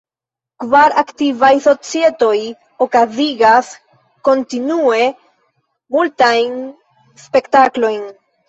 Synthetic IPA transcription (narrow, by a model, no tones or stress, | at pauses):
kvaɾaktivajso̞t͡sie̞to̞j | o̞kaziɡas | ko̞ntinue̞ | multajn | spe̞ktaklo̞jn